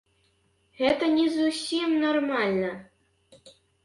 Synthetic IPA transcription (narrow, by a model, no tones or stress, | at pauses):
ɣɛt̪ɐnʲɛzusʲimnarmalʲnɐ